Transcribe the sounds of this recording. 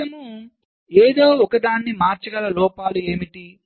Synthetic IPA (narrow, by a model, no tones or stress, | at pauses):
ɐmu | eːd̪o̞ːɔkɐd̪aːnːimaːɾt͡ʃɐɡɐlɐlɔːpaːlue̞ːmiʈi